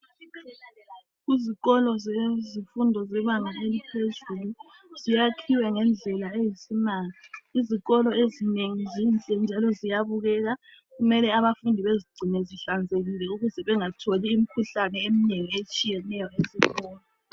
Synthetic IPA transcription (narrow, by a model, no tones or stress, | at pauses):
ɣiziɣɔlɔzɛzifundʱɔzɛβaŋʱaʔelipʰezulu | zijakʰiwɛŋɛnd͡ɮʱɛlaejisimaːliiziɣɔlɔezineŋizint͡ɬʼɛnd͡ʒʱalɔzijaβuɣɛɣa | ɣumɛlɛaβafundʱiβeziɡ͡ǀʱinɛziɬand͡zʱeɣilɛuɣuzɛβɛŋatʰoliːm̩kʰuɬanɛemineŋiet͡ʃʼijɛnɛjɔeziɣɔːlɔ